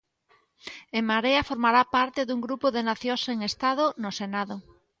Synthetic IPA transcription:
emaɾeɐfoɾmaɾapaɾt̪ɪðuŋɡɾupoðenaθjoseŋest̪aðonosenaðo

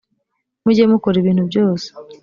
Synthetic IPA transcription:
muɟemukoɾiβiːn̥thubɟo̞ːse̥

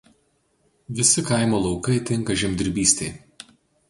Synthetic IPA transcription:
ʋʲɪsʲɪkɐɪmoːlˠɒʊkɐɪt̪ʲɪŋˑkɐʒʲɪmʲd̪ʲɪɾʲbʲiːsʲt̪ʲɛɪ

